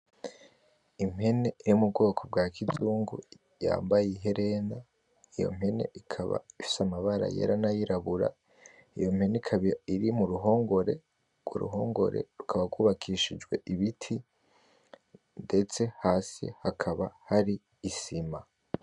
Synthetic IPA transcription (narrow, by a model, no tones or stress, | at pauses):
im̥he̞ne̞iɾimub̚ɡo̞ːkʰo̞b̚ɡaːkʰizuːŋɡu | ja̰ːmbajiɦe̞ɾe̞na | ijo̞̰m̥he̞ne̞̰ʔikʰaβa̰ifi̥samaβaɾa̰je̞̰ːɾanajiɾaβuɾa̰ | ijo̞mhe̞neikʰiɾimuɾuɦo̞ːŋɡoɾe̞ | ɡ̥wṵɾṵɦo̞ːŋɡo̞̰ɾe̞̰ɾukʰaβaɡwuːβakʰiʃid͡ʒɡwe̞ʔiβitʰi | nde̞t͡se̞haːsḭhakʰaβahaɾiː | sima